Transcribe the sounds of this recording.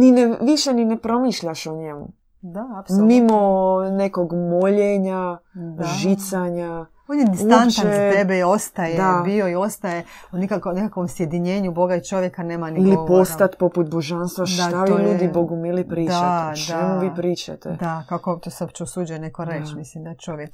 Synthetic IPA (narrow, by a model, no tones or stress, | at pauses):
nineʋiʃeninepɾo̞miʃʎaʃoɲemṵ | d̪aːpsomimonekoɡmoʎeɲa | ʒit̪saɲa | oːnjed̪isuantt͡ʃ̪aezt̪ebeio̞st̪ajeabio̞io̞st̪ajeunikakonekakʋo̞msje̞d̪iɲe̞ːɲubo̞ɡait͡ʃo̞ʋjekane̞ːmaniilioposat̪poput̪̚boʒanst̪ʋaʃd̪aaʋiʎuːd̪iboɡumilipɾiːd̪t͡ʃaad̪aemuʋiːpɾiːt͡ʃa̰t̪ḛd̪akakot̪osopt͡ʃeosuːd͡ʒujenekoɾet͡ʃmislimd̪ajet͡ʃo̞ʋjek